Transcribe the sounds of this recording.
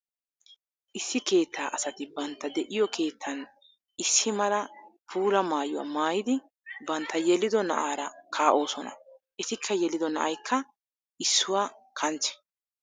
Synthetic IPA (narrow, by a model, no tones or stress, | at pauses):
ʔɪsːɪke̞ːt̪ːaːʔɐsɐt̪ɪbɐnt̪ːɐd̪ɛʔɪjɔkʰe̞ːt̪ʰːɐn | ɪsːɪmɐlɐpʰuːɾɐmaːjʊwa̰ːmaːjɪd̪ɪ | bɐnt̪ːɐjɛlːɪd̪ɔnɐ̰ʔaːɾɐkʰaːʔo̞ːsɔnɐ̰ʔɛt̪ɪkʰːɐjɛlɪd̪ɔnɐ̰ʔɐjkʰːɐ | ɪsːʊwaːkʰɐnt͡ʃɛ̥